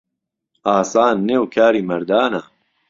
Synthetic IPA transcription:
aːsaːnːeːwkʰaːɾiːmɐɾd̪aːnaː

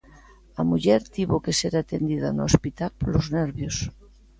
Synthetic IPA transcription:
amuʎeɾt̪iβokeseɾat̪end̪iðanoospit̪alpolozneɾβjos

